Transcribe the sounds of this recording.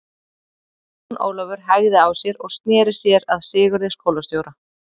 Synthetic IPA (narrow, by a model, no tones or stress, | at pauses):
nʔo̰ːwlœvʏɾ̥ɦaɣðɪawsjɛɾɔɣst̪nɛːɾɪ̥sjɛɾaðsɪːɣʏɾðɪskowlast̪jowɾa